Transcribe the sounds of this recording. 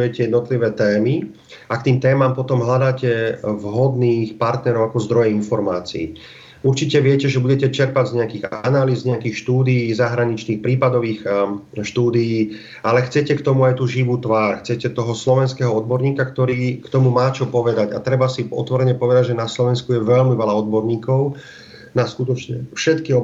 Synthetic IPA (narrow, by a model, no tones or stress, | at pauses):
ujɛcɛjɛd̪nɔt̪liʋɛːt̪ɛːmi | akt̪iːmt̪ɛːmaːmpɔt̪ɔmɦʎad̪aːcɛvɦɔd̪niːxpaɾt̪nɛɾɔʊakɔzd̪ɾɔjɛinfɔɾmaːt͡sḭː | uɾt͡ʃicɛʋɪɛcɛʒɛbuɟɛcɛt͡ʃɛɾpaɟzɲɛakiɣanaliːzɲɛakixʃt̪uːd̪ijːzaɦɾaɲit͡ʃniːxpɾiːpad̪ɔʋiːxʃt̪uːd̪ijiː | ʔalɛxt͡sɛcɛkt̪ɔmuajt̪uʒiʋuːt̪ʋaːɾxt͡sɛcɛt̪ɔɦɔslɔʋɛnskɛɦɔɔd̪bɔɾɲiːkakt̪ɔɾiːkt̪ɔmumaːt͡ʃɔpɔʋɛd̪aɟat̪ɾɛbasiɔ̰t̪ʋɔɾɛɲɛpɔʋɛd̪aɟʒɛnaslɔʋɛnskujɛʋɛʎmiʋɛlaɔd̪bɔɾɲiːkɔʊ | naskut̪ɔt͡ʃɲɛfʃɛt̪kiɔ